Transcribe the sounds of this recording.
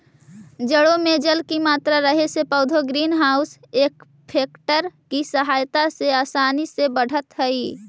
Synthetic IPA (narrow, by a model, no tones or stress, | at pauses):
d͡ʒəɽomed͡ʒəlkimaːt̪ɾaɾəɦesepəʊd̪ʱoɡɾiːnɦaʊseːk | pʰeːkʈəɾkisəɦaːjt̪aseaːsaːnisebəɽ̤ʱət̪ɦəi